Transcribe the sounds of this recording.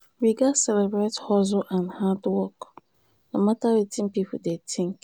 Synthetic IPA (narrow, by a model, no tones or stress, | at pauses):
wiɡasɛlɛbɹethɔzoʔãnhadwɔk | nomatawitʰĩnpipʰṵdetʰĩŋk